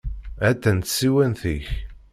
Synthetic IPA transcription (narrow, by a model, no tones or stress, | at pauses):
æt̪ːænt̪siwænθiç